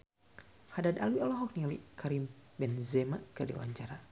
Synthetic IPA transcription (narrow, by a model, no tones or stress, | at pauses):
hadadalwiɔlɔɦɔk̚niliʔkʰaɾimbɛnzɛmakərdḭwa̰ɲt͡ʃaɾa